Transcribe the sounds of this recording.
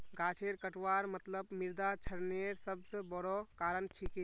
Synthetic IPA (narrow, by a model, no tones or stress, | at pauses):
ɡʱat͡ʃʰeɾkəʈʋaɾmət̪ləbmiɾd̪at͡ʃʰəɾneɾsəbsə̃bɔɾɔkaɾənʈʰike